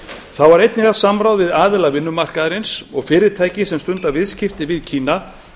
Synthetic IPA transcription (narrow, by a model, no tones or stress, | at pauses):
θawvaɾejt̪nɪɣḁsamɾawðvɪðaːðɪlaɣvɪnːʏmar̥kaðɾɪnsɔɣfɪːɾɪɾ̥t̪ʰaːjcɪsɛmst̪ʏnt̪avɪðscɪft̪ɪvɪðcʰiːna